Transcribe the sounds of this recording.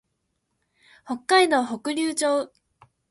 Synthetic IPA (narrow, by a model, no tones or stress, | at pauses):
ho̞kːaino̞ho̞kɯ̟ɾʲɯːt͡ɕoː